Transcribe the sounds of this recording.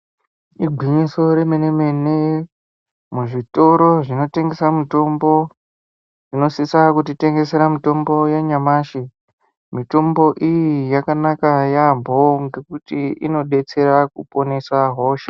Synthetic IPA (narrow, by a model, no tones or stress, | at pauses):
iɡʱwiɲiso̞ɾe̞menemene | muʐito̞ɾo̞ʐino̞te̞ŋɡe̞samito̞mbo̞ | ʐ̥ino̞sisakutite̞ŋɡe̞se̞ɾamito̞mbo̞jaɲamaːʃi | mito̞mbo̞ʔijijakanakajambʱo̞ŋɡe̞kutiḭno̞ɗe̞t͡se̞ɾakupo̞nesaɦo̞ːʃḁ